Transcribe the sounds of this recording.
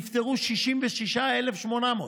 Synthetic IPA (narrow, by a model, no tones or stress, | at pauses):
ft̪eɣuʃiʃimveʃiʃaelefʃmonamo